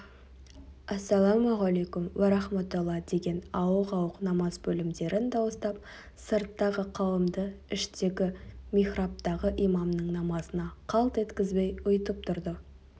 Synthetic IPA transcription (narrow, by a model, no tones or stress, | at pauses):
æsːælˠɑmʁalejkʲʊmwæɾɑχmat̪ʊlˠːɑd̪e̞ɡʲe̞nɑwəqɑwəqnɑmɑzbɵlɪmd̪e̞ɾɪnd̪ɑwəst̪ɑp̚ | səɾt̪ːɑʁəqʰɑwəmd̪əɪʃt̪e̞ɡʲɪmʲiχrop̚t̪ɑʁəʔijmɑmnəɴnɑmɑsənɑqʰɑlˠt̪e̞t̪kʲɪzbejʊjət̪əp̚t̪ʰʊɾd̪ə